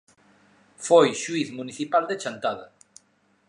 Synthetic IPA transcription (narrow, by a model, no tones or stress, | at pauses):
fojʃwiθmuniθipald̪et͡ʃant̪aða